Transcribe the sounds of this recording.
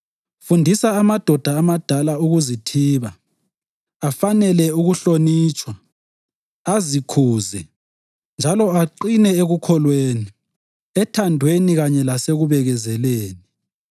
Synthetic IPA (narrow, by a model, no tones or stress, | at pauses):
fundʱisaːmad̥ʱɔd̥ʱaːmad̥ʱalauɣuzitʰiːβa | afanɛlɛuɣuɬoniːt͡ʃʼwa | azikʰuːzɛ | nd͡ʒʱalɔaǃinɛeɣukʰɔlweːni | ɛtʰandʱweniɣaɲɛlaseɣuβɛɣɛzɛleːni